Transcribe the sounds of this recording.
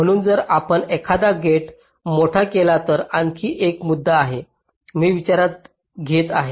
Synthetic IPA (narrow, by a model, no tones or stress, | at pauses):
m̤əɽ̃uːnd͡zəɾapəɳekʰad̪aɡʱeʈ | moʈʰakelat̪əɾankʰiːʔekmud̪ːaːɦe | miːʋit͡ɕaɾat̪̚ | ɡʱet̪aɦe